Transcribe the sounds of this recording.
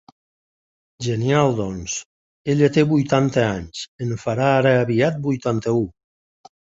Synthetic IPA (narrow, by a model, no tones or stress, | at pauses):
ʒenijalˠd̪ɔns | eʎat̪eβujt̪ant̪eaɲsenfaɾaːɾeaβiat̪̚bujt̪ant̪eu